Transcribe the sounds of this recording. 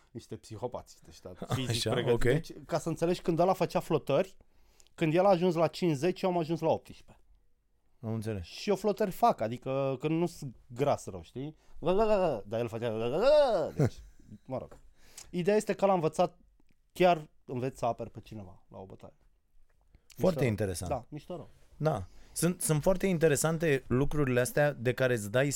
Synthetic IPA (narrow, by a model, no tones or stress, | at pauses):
niʃt̪e̞psixo̞pa̰t̪sid̪eʃt̪aiipɾeɡəet͡ʃʲkasəɨnt̪sele̞ʒʲkɨnd̪alafət͡ʃaflo̞t̪ərʲ | kɨnd̪jelaːʒuns̬lat͡ʃinʃze̞t͡ʃjowamaʒunslao̞p̚t̪i̥ʃpe̥ | əmnt̪seleʃioflo̞t̪ərʲfakad̪ikəkənnusɡɾasɾə̰wʃt̪iəɡəɡɡd̪ajelfat͡ʃeaɡəɡəd̪et͡ʃʲməɾo̰ɡ̥id̪e̞jajest̪e̞kəlaɨɱvət̪sat̪̚ | kʲar | ɨnve̞t̪sʲsəaperpet͡ʃine̞va̰la̰obət̪a̰ɾe | fmioart̪eint̪e̞ɾesa̰nd̪amiʃt̪oɾəwd̪asunt̪sunt̪foart̪eint̪eɾe̞sant̪e̞lukɾuɾileast̪ead̪e̞kaɾe̞sd̪aj